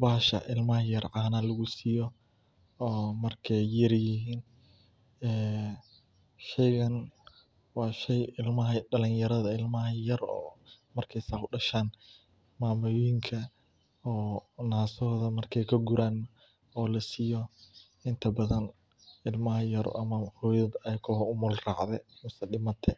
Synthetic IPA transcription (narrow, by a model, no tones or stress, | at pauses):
baːʃɐ̰ʔɪlmɐɦɐjɐrʕaːnɐlɐɣʊsiːjɔ | ɔːmɐrkʰɛjːɐrjɪɦiːn | ɛː | ʃɛjɣɐn | wɑːʃɛjɪlmɐɦɐɖɐlɪnjɐɾɐðɐɪlmɐɦɐjɐrɔ̰ːmɐrkʰɛjsaːʊɖɐʃaːn | maːmʊjjɪŋkʰɐ | ɔːnaːsɔːðɐmɐrkʰɛjkʰɐɡuɾaːn | ɔːlɐsijɔ | ɪnt̪ʰɐbɐðɐn | ɪlmɐɦɐjɐɾ̰ʔɐmɐhɔːjɐbɛjkʰɔhʊmʊlrɑːʕðɛħʊsɐɗɪmɐt̪ʰɛ